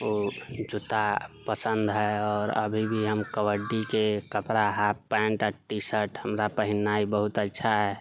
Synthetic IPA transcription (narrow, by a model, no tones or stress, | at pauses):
oːd͡ʒut̪apəsə̃nd̪ɦɛɔːɾə̰bʱibʱiɦəmkəwəɖːikekəpɾaɦappːɛ̃ɳʈaʈisəʈhəmɾapəɦinːaibəɦut̪ətːʃʰaɦɛ